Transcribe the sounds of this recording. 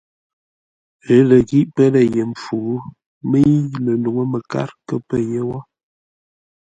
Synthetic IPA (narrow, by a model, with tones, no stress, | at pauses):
ə˦lə˨ɣi˦ʔpə˦lə˨je˨m˨fu˨˦ | mə˦i˦lə˨nu˨ŋə˦mə˨ka̰˦ɾkə˦pə˦je˦wa˦